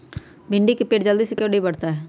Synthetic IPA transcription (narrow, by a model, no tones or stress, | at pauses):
bɪɳɖiːkipeːʈd͡ʒəld̪iːsɪkjoːɾʈiːbəɽt̪aːɦɛː